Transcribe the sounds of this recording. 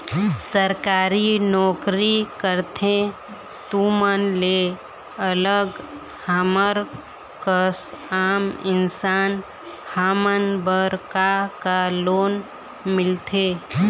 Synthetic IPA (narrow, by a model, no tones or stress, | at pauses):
səɾkaːɾinɔːkɾikəɾt̪ʰẽ | t̪umənle | ələɡ | haməɾ | kəsaːmɪnsaːn | haːmənbəɾkakaloːn | mɪlt̪ʰe